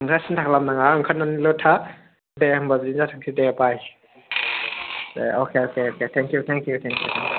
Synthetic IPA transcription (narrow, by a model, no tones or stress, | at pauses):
iŋkʰasintʰakʰlamnaŋaɯŋkʰananilɔtʰa | dembazinzatʰaŋsʰideapaj | deokʰeokʰeokʰetʰɛŋkjutʰɛŋkijutʰɛŋkjṵtʰɛŋ